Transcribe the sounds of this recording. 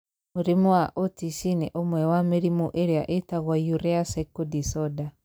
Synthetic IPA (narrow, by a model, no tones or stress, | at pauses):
muɾimɔwaʔotiʃineʔomwɛwameɾimuʔeɾeaʔetaɣwajuɾɛasakodisɔda